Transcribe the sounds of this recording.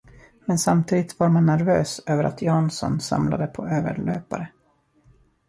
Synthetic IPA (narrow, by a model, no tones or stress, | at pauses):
mɛnsamt̪ʰiːd̪ɪt̪vaɾmanːæɾvøːsøːvəɾʔa̰t̪ʰjɑːnsɔ̰nsa̰mlad̪əpʰɔøːvə̰ɭøːpaɾə